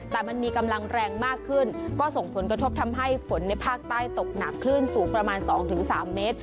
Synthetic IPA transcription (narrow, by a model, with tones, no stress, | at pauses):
t̪ɛː˨˩ma˧nmiː˧ka˧mla˧ŋɾɛː˧ŋmaː˥˩kʰːɯ˥˩nkɔː˥˩so˨˩ŋpʰo˩˦nkɾa˧t̪ʰo˦˥p̚t̪ʰa˧mɦa˥˩jfo˩˦nːa˧jpʰaː˥˩k̚t̪aː˥˩jt̪o˨˩k̚na˨˩kʰːlɯː˥˩nsuː˩˦ŋpɾa˧maː˧nsɔː˩˦ŋt̪ʰɯ˩˦ŋsaː˩˦mːeː˦˥t̪̚